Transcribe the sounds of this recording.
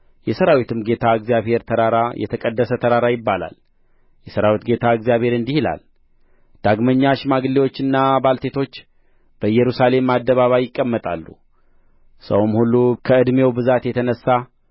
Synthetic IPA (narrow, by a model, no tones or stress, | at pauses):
jɛsəɾawit̪ʰɨmɡe̞t̪ʰaɨɡzijaβhe̞ɾt̪ʰəɾaɾajɛ̰t̪ʰəkʼəd̪ːəsət̪ʰəɾaɾajɪbːala̰l | jɛsəɾawit̪ɡe̞t̪ʰaɨɡzijaβhe̞ɾɨnd̪ihila̰l | d̪̥aɡməɲːaʃmaɡliwo̞t͡ʃːɨnːabalt̪ʰe̞t̪ʰo̞t͡ʃː | b̥əɨjɛɾusale̞mːad̪ːəβaβajɪkʼːəmːət̪ʼa̰lːṵ | sə̰wmhulːukʰəɨd̪me̞wbɨzat̪jɛt̪ʰənəsːa